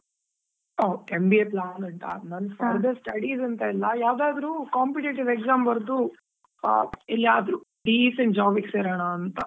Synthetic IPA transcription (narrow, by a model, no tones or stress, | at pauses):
oːembieːplaːnɐɳʈ̪a̰nɐnfɐːɾd̪ɐsʈɐɽiːzɐnt̪ɐɛlːɐjaːʋd̪aːd̪ɐɾukaːmpiʈeːʈiʋekzaːmbɐɾd̪u | ilːiaːd̪ɾu | ɖiːsɐɳʈ̚d͡ʒaːbikseːɾɐɳaːnt̪ɐ